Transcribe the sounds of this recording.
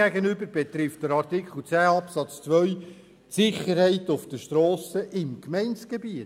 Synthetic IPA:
æɡənʏbəɾb̥ɛt̪ɾɪft̚d̥əɾɑrtɪkχl̩ˠt͡sæːɑpsɑt͡st͡sʋœʏ | tsɪχəɾhɛɪtʊfd̥əʃtɾɔːsəʔɪmkmɛɪnsɡ̥ebiət

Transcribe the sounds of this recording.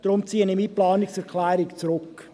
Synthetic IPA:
d̥ɾʊmt͡siːənɪmiːplɑːnɪksɛɾkʰlɛːɾɪkt͡sɾʊk

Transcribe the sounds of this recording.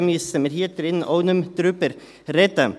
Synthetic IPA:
miːssɛməɾiːt̪əɾɪnn̩ʔoːnʉmd̪̥ɾʉːpəɾ | ɾeːt̪ə

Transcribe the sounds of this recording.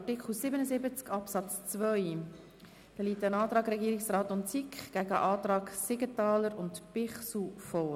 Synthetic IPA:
ɑtikχl̩sɪbənəzɪbət͡skɑpsɑt͡st͡svœj | d̥ɑliːtːənɑːt̪ɾɑːɡɾɛɡiːɾɪksɾɑːtʊntsikχɡ̥æɡə̰ʔɑːtɾɑːksɪɡətɑːləɾʊntpɪχsufɔː

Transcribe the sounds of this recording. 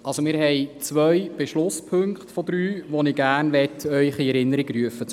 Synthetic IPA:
ʔɑlsomɪːɾɦɛjt͡sʋœjb̥eʃlʊspʰɵŋkχt̪fɔd̪ɾyːʋɔnɪɡ̥æːrnʋɛtœʏχiɛɾɪnːəɾiɡryəfət͡s

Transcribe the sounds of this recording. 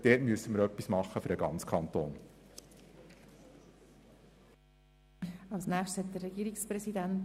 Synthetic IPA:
d̥̪ɛːtmyəsəməɾœpːismɑχːəfɵɾəɡɑ̰nt͡skʰɑnt̪oːn | ɑlsnæːχtshɛt̪d̪ərːɛɡ̥iːɾikspɾɛsid̪ænt

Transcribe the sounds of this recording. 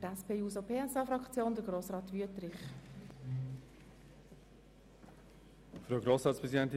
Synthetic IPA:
tɛspeːjuːsopʰeːɛsɑfɾɑkt͡sjoːnd̪əɾɡɾoːsrɑːt̪ʋyətɾɪχ | fɾoɡɾoːsɾɑːtspɾɛzidɛnt̪i

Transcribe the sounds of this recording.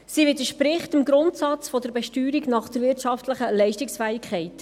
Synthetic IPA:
sivɪdəʃpɾɪχtɪmɡɾʊntsɑt͡sfɔdəɾbɛʃtyːɾiɡnɑχd̥̪əɾvɪɾtʃɑftləχəlɛɪʃtiksfɛːɪkχɛɪt

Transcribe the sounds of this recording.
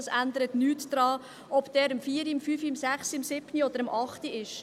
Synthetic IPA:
sænd̪əɾətnyːtd̥ɾɑː | ʔɔb̥d̥ɛːɾəmfiːəɾiəmfyːfiəmsæχsiəmsɪb̥niɔd̪əɾəmʔɑχtiɪʃ

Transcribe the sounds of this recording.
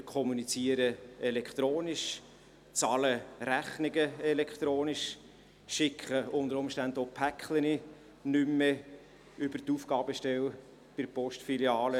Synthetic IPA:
kʰɔmunit͡siəɾəɛlɛkχt̪ɾoːniʃ | t͡sɑːləɾæχnɪɡəɛlɛkχt̪ɾoːniʃ | ʃɪkʰχəʊnd̪əɾʊmʃtændopʰækχləni | nʏmːe | ʏbərtufɡ̥ɑːb̥əʃtɛl | b̥ɪdpɔʃtfiljɑːlə

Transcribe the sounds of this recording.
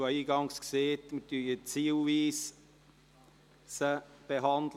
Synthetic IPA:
ɔiːɡɑŋskseːtmətyjət͡siːlviːs | səb̥eɦɑnd̪l

